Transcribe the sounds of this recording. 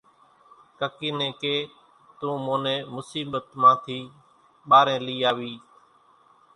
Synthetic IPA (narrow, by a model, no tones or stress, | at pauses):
kəkiːnẽːkeː | t̪ũːmõːnẽːmʊsiːɓət̪mãːt̪ʰiː | ɓaːɾẽːliːaːʋiː